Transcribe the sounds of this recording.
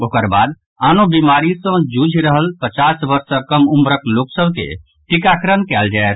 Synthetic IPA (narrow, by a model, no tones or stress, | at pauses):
okəɾbad̪ | anobimaɾisə̃d͡ʒud͡ʒʱɾəɦəlpət͡ʃasbəɾsəkəmumɾəkloksəbkḛ | ʈikakɾənkɛld͡ʒaɛt̪̚ʰ